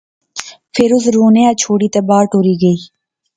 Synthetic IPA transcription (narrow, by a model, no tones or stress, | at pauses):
pʰɪɾʊs̬ɾoːnejaːt͡ʃʰoːɽiːt̪ebaːɾʈoːɾiːɡəiː